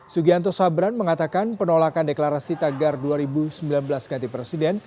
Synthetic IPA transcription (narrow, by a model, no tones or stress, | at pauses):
suɡiant̪ɔsabɾanməŋat̪akanpənolakandeklaɾasit̪aɡarduaɾibusəmbilanbəlasɡat̪ipɾesidɛn